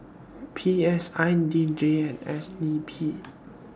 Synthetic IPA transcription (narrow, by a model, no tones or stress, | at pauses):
pʰiɛsãjndidɹeɛ̃nɛsdipʰi